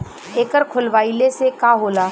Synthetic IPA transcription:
eːkəɾkʰʊlʋaːilesekaɦoːlaː

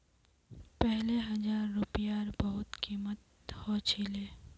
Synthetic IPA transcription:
pɛɦleɦɐd͡ʒaːɾːʊpijaːɾbɐɦʊt̪kiːmət̪ | hoːt͡ʃʰiːleː

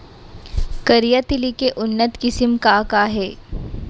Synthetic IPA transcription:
kəɾijat̪ɪlikeʔʊnːət̪kɪsɪmkakaɦɛː

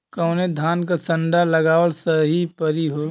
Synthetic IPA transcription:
kɐ̃ʊned̪ʱaːnkasɐ̃ɳɖalɐɡaːwəɽsɐɦipəɾiɦoː

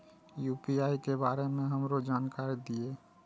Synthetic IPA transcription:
juːpiaːikebaːɾemẽɦəmɾod͡ʒaːnkaɾid̪ie

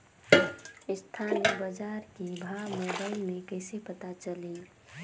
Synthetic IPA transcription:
ɪst̪ʰanibəd͡ʒaɾkibʱaməbəɪlmẽkəɪsepət̪at͡ʃəli

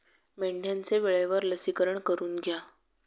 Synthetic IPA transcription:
meɳɖʱjant͡seʋeɭeʋəɾləsikəɾəɳkəɾuːnɡʱja

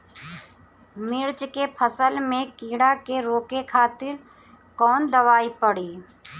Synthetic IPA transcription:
mɪɾt͡ʃkepʰəsəlmẽkiːɽakeɾoːkekʰaːt̪ɪɾ | kɔːnd̪əʋaːipəɽiː

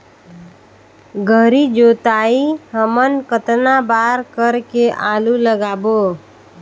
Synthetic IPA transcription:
ɡʱəɾid͡ʒot̪aiɦəmənkət̪nabaɾkəɾkeʔaluləɡaːbo

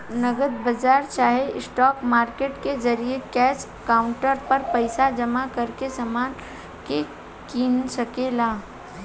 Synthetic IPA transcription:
nɐɡəd̪̚bɐd͡ʒaːɾt͡ʃaːɦeɪsʈɔːkmaːɾkeːʈkezɐɾiekɛːs | kaːʊ̃ɳʈəɾpɐɾpɐɪsad͡ʒɐmakɐɾkesamaːn | ke | kinsɐkeːlaː

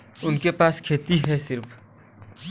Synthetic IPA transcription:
ʊnkepaːskʰeːt̪iɦɛsɪɾpʰ

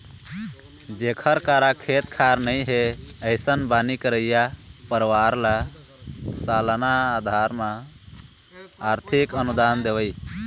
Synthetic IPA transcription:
d͡ʒekʰəɾkaɾakʰet̪kʰaɾnəjɦeəɪsənbanikəɾəjapəɾwaɾla | salnaːd̪ʱaɾmã | ɾt̪ʰikənud̪and̪ebəj

